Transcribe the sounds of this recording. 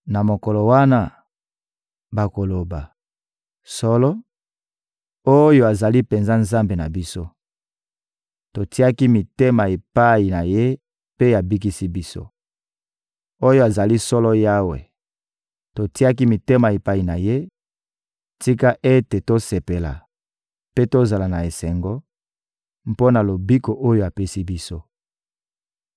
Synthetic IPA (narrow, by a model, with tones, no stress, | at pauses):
na˨mo˨kɔ˨lo˨wa˦na˦ | ba˨ko˨lo˨ba˨ | sɔ˦lɔ˦ | o˦jo˦a˨za˨li˦pe˨nza˦nza˦mbe˨na˨bi˦so˦ | to˨ti˦a˦ki˦mi˨te˦ma˨e˨pa˦i˨na˨je˦ | pe˦a˨bi˦k̬i˦si˦bi˦so̰˦ | o˦jo˦a˨za˨li˦sɔ˦lɔ˦ja˦wḛ˨ | to˨ti˦a˦ki˦mi˨te˦ma˨e˨pa˦i˨na˨je˦ | ti˦ka˦ʔe˦te˨to˦se˨pe˨la̰˨ | pe˦to˦za˨la˨na˨e˨sɛ˨ŋɡɔ˦ | mpo˦na˨lo˨bi˦ko˨ʔo˦jo˦a˨pe˦si˦bi˦so˦